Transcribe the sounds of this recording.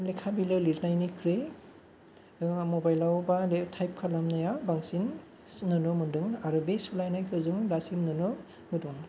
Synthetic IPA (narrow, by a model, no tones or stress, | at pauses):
lekʰabilɯliɾnajnikʰɾe | mɔbajlawbaletʰajp̚kʰalamnajabaŋsin | nɯnɯmɯndɯŋaɾɯbesulajnajkʰɯzuŋdasimnɯnɯ | mɯdɔŋ